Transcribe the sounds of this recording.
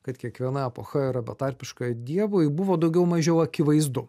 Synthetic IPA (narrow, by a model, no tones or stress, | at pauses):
kɐt̪kʲiɛkʋʲiɛnɐɛpoːxɐɪɾɐbʲɛt̪ɑɾʲpʲɪʃkɑjd̪ʲiɛʋoɪbʊʋoːd̪ɐʊɡʲɛʊmɐʒʲɛʊɐkʲɪʋɐɪzd̪ʊ